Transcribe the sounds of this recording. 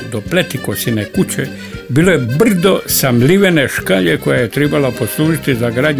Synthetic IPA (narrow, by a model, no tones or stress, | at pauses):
d̪ople̞t̪ikosinekut͡ɕe | biːlojebr̩d̪o̞samliʋene̞ʃkaʎeko̞jaje̞t̪ɾebalapo̞slˠuːʒit̪izaɡɾaːd̪ɲ